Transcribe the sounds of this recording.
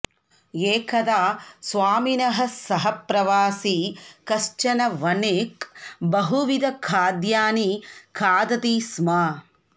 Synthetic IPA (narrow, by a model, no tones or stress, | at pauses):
eːkʰɐd̪aːsʋaːminɐɦɐsɐɦɐpɾɐʋaːsikɐʃt͡ʃɐnɐʋɐneːkbɐɦuʋid̪ɐkʰaːd̪jaːnikʰaːd̪ɐt̪iːsma